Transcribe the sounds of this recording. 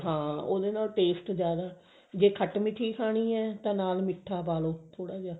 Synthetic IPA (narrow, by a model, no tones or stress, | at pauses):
ɦãːo̰ːd̪eːnaːlʈeːsʈd͡ʒjaːd̪aː | d͡ʒeːkʰəʈmɪt̪ʰːiːkʰaːɽ̃iːɛːt̪ãːnaːlmɪʈʰːaːpaːloːt̪ʰoːɽaːd͡ʒaː